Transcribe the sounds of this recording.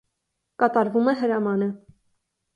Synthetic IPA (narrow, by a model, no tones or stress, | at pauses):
kɑt̪ɑɾvumɛɦəɾɑmɑnə